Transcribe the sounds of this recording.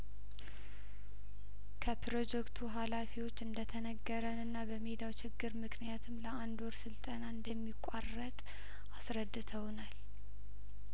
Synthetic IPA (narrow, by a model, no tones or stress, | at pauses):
kʰəpʰɾo̞d͡ʒɛkt̪ʰuɦalafiwo̞t͡ʃːɨnd̪ət̪ʰənəɡːəɾənɨnːabəmed̪awt͡ʃʰɪɡːɨɾmɨknijat̪ʰɨmləand̪oɾsɨlt̪ʼənaɨnd̪əmːikʷʼarːət̪ʼ | asɾəd̪ːɨt̪ʰəwnal